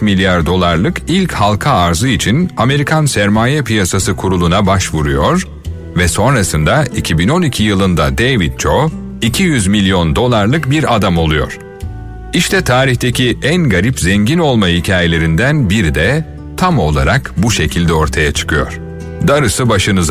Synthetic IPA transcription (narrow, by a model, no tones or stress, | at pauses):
t̪milʲjaɾd̪o̞lˠaɾlˠɯkilʲchalˠkʰaːɾzɯit͡ʃʰiname̞ɾikʰansæɾmaːjɛpʰijasasɯkʰuɾulˠunabaʃvuɾujo̞ɾ | vɛso̞nɾasɯnd̪aicʰibino̞nicʰijɯlˠɯnd̪a̰d̪ejvit̪̚t͡ʃʰo | icʰijyzmilʲjo̞nd̪o̞lˠaɾlˠɯkbiɾad̪amo̞lˠujo̞̰ɾ̥ | iʃt̪ʰɛt̪ʰaːɾiçt̪ʰecʰiʔænɡaɾipzɛɲɟino̞lˠmahicʰaːje̞lʲe̞ɾind̪ænbiɾid̪ɛ | t̪ʰamo̞lˠaɾakbuʃe̞cʰilʲd̪ɛo̞ɾt̪ʰajat͡ʃʰɯ̥kʰɯjo̰ɾ̥ | d̪aɾɯsɯbaʃɯnɯz